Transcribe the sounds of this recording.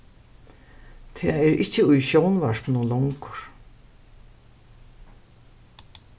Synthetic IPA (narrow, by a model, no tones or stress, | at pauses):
t̪ʰɛːɛɾɪ̰ht͡ɕːɪʊjʃownvaʂknʊlɔŋkʊ̥ɹ̥